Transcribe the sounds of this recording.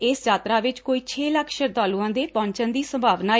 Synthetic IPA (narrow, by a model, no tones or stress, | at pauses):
eːsjaːt̪ɾaːʋɪt͡ʃkoːiːt͡ʃʰeːləkʰʃəɾd̪aːluːãːd̪eːpɔ̃ːɲt͡ʃənd̪iːsəmbʱaːʋnaː